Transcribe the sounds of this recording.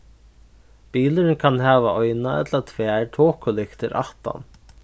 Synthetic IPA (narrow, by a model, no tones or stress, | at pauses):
piːlɪɾnkʰanɦɛːʋaɔjnaɛ̰t̪lat̪ʰvɛːɹʈʰoːkʊlɪkt̪ʰɪ̰ɾʔa̰ht̪a̰n